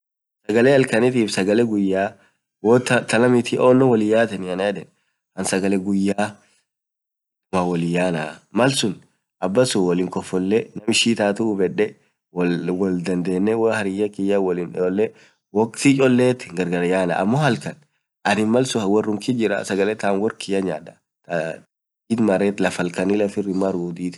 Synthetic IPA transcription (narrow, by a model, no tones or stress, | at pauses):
sɐɡɐlɛɐlkɐnɪt̪iːfsɐɡɐlɛɡʊjːaː | wɔːt̪ɐt̪ɐlɐmɪt̪ʰɪʔoːnːɔwɔlɪjaːt̪ɐnɪɐnad̪ɛn | hɐnsɐɡɐlɛɡʊjːaː | d̪ʊmawɔlɪjːaːnaːmɐlsʊn | ʔɐbːɐsʊwɔlɪŋkɔfːɔlːɛnɐmɪʃiːt̪aːt̪ʊubɛᶑɛ | wɔwɔld̪ɐnd̪e̞ːnːɛwhɐɾɪjːɐkɪjːɐwɔlɪnɔlːɛ | wɔkt̪it͡ʃʼɔlːeːt̪ɪ̥ŋɡɐɾɡɐɾɐjaːna̰ʔɐmːoːhɐlkɐn | ʔɐnɪnmɐlsʊhwɔrːʊŋkɪd͡ʒɪɾɐ̰sɐɡɐlɛt̪aːnwɔrkʰɪjɐɲaːᶑɐ | t̪a | iːd̪mɐɾeːt̪lɐfɐlkɐnɪlɐfɪrːɪmːɐɾuːd̪iːt̪